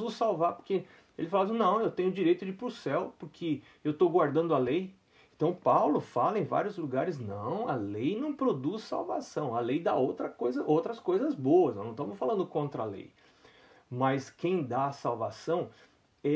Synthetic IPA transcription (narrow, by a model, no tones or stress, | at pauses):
ʊsawvaɾpoɾke | ḛlɪfalasnɐ̃w̃ewt̪ẽɲ̃ʊd͡ʒiɾejt̪ʊd͡ʒɪpɾʊsɛwpʊɾkʰe | ewt̪oɡwaɾd̪ɐ̃nd̪ʊalej | ẽnt̪ɐ̃w̃pawlʊfalɐẽj̃va̰ɾjʊzluɡaɾɪznɐ̃w̃ɐlejnɐ̃w̃pɾod̪ussa̰wvasɐ̃w̃ɐlejd̪a̰owt̪ɾɐkojzɐʔowt̪ɾɐskojzɐzbowɐsnnɐ̃w̃t̪omʊsfalɐ̃nd̪ʊkõnt̪ɾɐalḛj | mɐskẽj̃d̪aɐsawvasɐ̃w̃ | ɛ